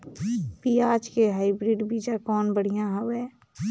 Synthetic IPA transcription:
piːaːd͡ʒkeɦaːɪbɾiːɖbiːd͡ʒakɔːnbəɽ̤ijãɦɐʋɛː

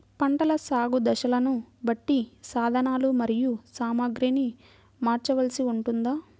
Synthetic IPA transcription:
pɐɳʈɐlɐsaːɡud̪ɐʃɐlɐnubɐʈːisaːd̪ʱɐnaːlumɐɾijusaːmaːɡɾiːni | maːɾt͡ʃɐʋɐlsiuɳʈund̪aː

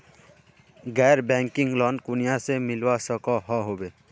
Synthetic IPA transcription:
ɡɛɾbɛŋkiŋɡlɔnkunijasemilwasɔkɔɦɔɦobe

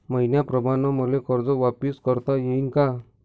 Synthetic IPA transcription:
məjnjapɾɔbanɔmɔlekɔɾd͡zɔʋapiskɔɾt̪ajeinka

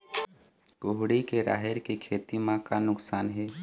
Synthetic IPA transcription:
ɡoɦɽikeɾa̰ːɦɪɾkekʰeːt̪imãkanʊksaːnɦɛː

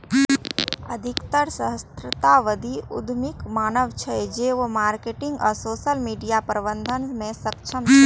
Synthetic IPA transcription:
əd̪ʱɪkt̪əɾsəɦəst̪ɾət̪aʋəd̪ʱiʊ̰d̪ʱmɪkmaːnəʋt͡ʃʰɛd͡ʒeomaːɾkeʈɪ̃ŋɡəsoːʃəlmiːɖijapəɾəbə̃nd̪ʱənmẽsəkt͡ʃʰəmʰ

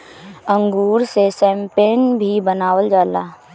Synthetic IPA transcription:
ə̃ŋɡuːɾsesɛ̃ːmpenbʱibənaːwəld͡ʒaːlaː

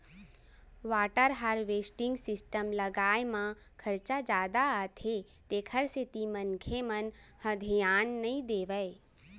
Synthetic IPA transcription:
ʋaːʈəɾɦaɾʋesʈɪ̃ŋɡsɪsʈəmləɡaːjmã | kʰəɾt͡ʃad͡ʒaːd̪aːt̪ʰe | t̪ekʰəɾset̪imənkʰemənhəd̪ʱijaːnːəĩd̪eːʋəj

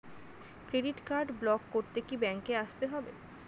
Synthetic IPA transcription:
kɾeɖiʈkaɾɖblɔkːoɾt̪ekibɛŋkeaʃt̪eɦɔbḛ

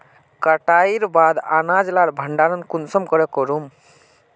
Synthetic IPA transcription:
kəʈaiɾbad̪anad͡ʒlaɾbʱəɳɖaɾənkunsəmkɔɾekɔɾum

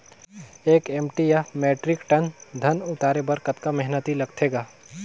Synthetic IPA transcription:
eːkeːmʈijameːʈɾɪkʈɐnd̪ʱɐnʊt̪aːɾebəɾkət̪kamɛɦnət̪ilɐɡ̚t̪ʰeːɡaː

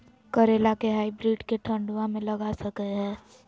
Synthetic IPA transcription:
kəɾeːlakeɦaːibɾiːɖkeʈʰə̃ɳɖuãmẽlɐɡasəkeɦɛ̃ː

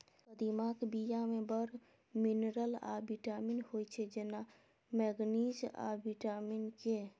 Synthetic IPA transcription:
pəd̪imakbijamẽbəɾ | minɾəla̰biʈaminhojt͡ʃʰed͡ʒena | mɛɡnid͡ʒa̰biʈaminke

